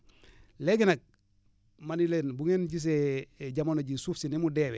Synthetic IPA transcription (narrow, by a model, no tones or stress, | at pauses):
leɡinak̚ | manilenbuŋenɟis̬eɟamonoɟisufsinimudewe